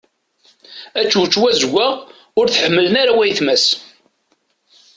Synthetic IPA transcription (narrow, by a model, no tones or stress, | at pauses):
æt͡ʃːut͡ʃːwæzɡʷaʁ | ʊɾθħəmːələnaɾawæjθmæs